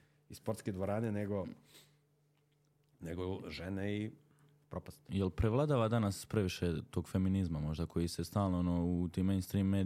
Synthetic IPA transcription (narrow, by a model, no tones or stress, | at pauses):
ispoɾt̪ked̪ʋoɾaːneneɡo | neɡoʒenei | pɾopast̪jelˠpɾeʋlˠad̪aːʋad̪anaspɾeʋiʃet̪o̞ːɡfe̞minizmamo̞ʒd̪ako̞jise̞st̪aːlˠnoonout̪imːejnst̪ɾiːmːeː